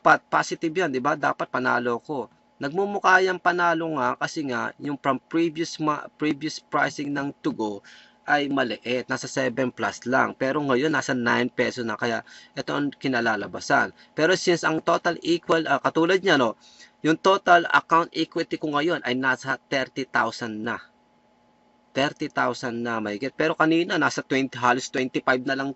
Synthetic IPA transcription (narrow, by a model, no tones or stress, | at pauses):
apɐt̪̚paːsɪt̪ɪbjand̪ɪbad̪a̰ːpɐt̪̚pɐna̰ːloɐko̞ | nɐɡ̚mumʊkaːjɐŋpɐnaːlo̞ŋakɐsɛŋaʔjʊŋpɾɐmpɹibjʊsmapɹibjʊspɹa̰jsɪŋnɐŋt̪ʊɡo | ʔɐjmɐlɛʔɛt̪̚naːsɐsɛbɛnpla̰sla̰ŋpɛɾo̞ŋɐjo̞nːaːsɐnajnpɛsosnɐkɐja̰ʔʔɛt̪oʔɐŋkɪnɐlaːlɐbasa̰n | pɛːɾo̞sinsʔɐŋt̪o̞t̪ɐliːkwɐlʔɐkɐt̪uːlɐd̪̚ɲano̞ | jʊŋt̪o̞ːt̪ɐlɐ̰kawnt̪̚ʔikwɪt̪ikoŋɐjo̞nʔɐjnaːsɐt̪ɛɾt̪it̪a̰wsɐnːɐ | t̪ɛɾt̪it̪awsɐnːɐmɐhɪɡɪt̪̚pɛːɾo̞kɐniːnɐnaːsɐt̪wɛnt̪iɦaːlost̪wɛnt̪ɪpajb̚nɐlɐŋ